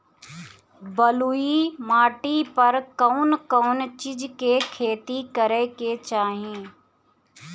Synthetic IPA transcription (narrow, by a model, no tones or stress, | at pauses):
bɐluimaːʈipɐɾkɐʊnkɐʊnt͡ʃɪd͡ʒkekʰeːt̪ikɐɾeket͡ʃaːɦiẽː